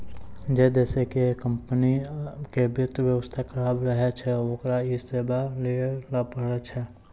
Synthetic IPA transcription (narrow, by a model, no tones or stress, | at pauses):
d͡ʒɛd̪ɛːsekekə̃mpənikebɪt̪ʋjəwəst̪ʰakəɾaːbɾəɦet͡ʃʰɛoːkɾaiseːbaleəɾlapəɾat͡ʃʰɛ